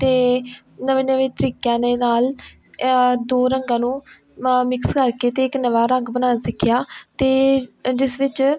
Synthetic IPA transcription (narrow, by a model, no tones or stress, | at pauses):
t̪eː | nəʋẽːnəʋẽːt̪əɾiːkãːneːnaːl | d̪oːɾəŋɡãːnũː | mɪkskəɾkeːt̪eːɪknəʋaːɾəŋɡbənaːnasɪkʰːjaːt̪eːd͡ʒɪsʋɪt͡ʃ